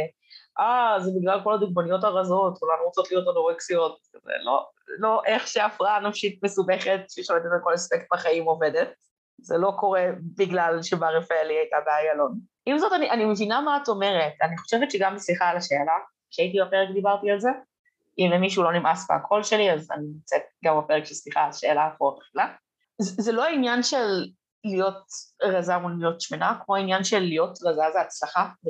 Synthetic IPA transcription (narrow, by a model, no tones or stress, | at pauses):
ʔazebiɡlalko̞lad̪uɡmonijo̞taʁazo̞t̪kulanuʁot͡sotlijo̞tanoʁeksijo̞t̚zḛlo̰ | lo̞ʔe̞χʃeafʁaanafʃit̪̚mesubeχetʃeʃalet̪et̪alko̞lespek̚t̪̚baχaimo̞vedet̚ | zelo̞ko̞ʁe̞biɡlalʃebaʁefaeliajtabeajalo̞n | ʔimzo̞taniʔanimevinamaato̞me̞ʁetaniχo̞̥ʃevett͡ʃʃeɡambesliχalaʃeːla | kʃeait̬ibapeʁekd̪ibaʁtialze̞ | imemːiʃulo̞nimasbḛakʰo̞lʃe̞liaza̰ninimt͡set̚ɡambape̞ʁekʃelsliχalaʃeːlaːχuʁotle̥χila | zzeloainjanʃe̞lː | ijo̞t̚ʁazaulmijo̞tʃmenakmoainjanʃelːijo̞tʁazazeat͡slaχa